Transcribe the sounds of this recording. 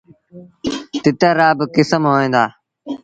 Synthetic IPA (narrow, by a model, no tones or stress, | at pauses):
t̪ɪt̪aːɾaːbɪkɪsəmɦoːẽːnd̪aː